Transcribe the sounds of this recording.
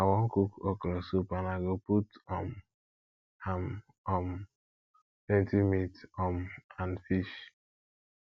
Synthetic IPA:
awɔ̃ŋkukɔklɔsupanaɡoputɔm | ham | ɔm | tɛ̃ntimitɔmanfiʃ

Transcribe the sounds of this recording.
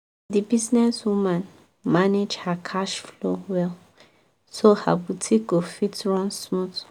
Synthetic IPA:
dibiznɛswumãn | maned͡ʒhakʰaʃflowɛl | soha̰butʰiɡofitɹɔ̃nsmut

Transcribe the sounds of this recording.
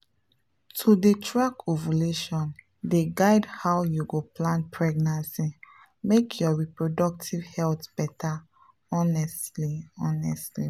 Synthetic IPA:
tʰudetʰɹakovuleʃɔ̃n | deɡaɪdhawjuɡoplãnpʰɹɛɡnãnsi | mekʰjɔɹipɹodɔk̚tʰivhɛltb̥ɛtʰa | ɔnɛstliɔnɛstli

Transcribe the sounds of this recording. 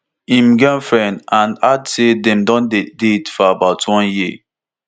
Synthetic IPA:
ĩmɡãnfɹɛ̃ndãnadsedɛ̃mdɔ̃nddetfɔabaʊtwɔ̃nji

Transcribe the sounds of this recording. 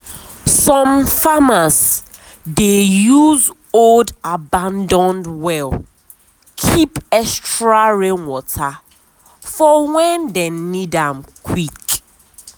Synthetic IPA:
sɔ̃mfamas | dejuz | oldabãndɔ̃ndwɛl | kʰipɛstɹaɹẽnwɔtʰa | fɔwɛndɛnnidãmkʰwik

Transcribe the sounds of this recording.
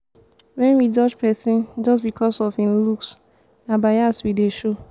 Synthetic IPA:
wɛ̃nwid͡ʒɔd͡ʒpɛsĩnd͡ʒɔsbikʰɔsɔfĩnluks | nabaaswideʃo

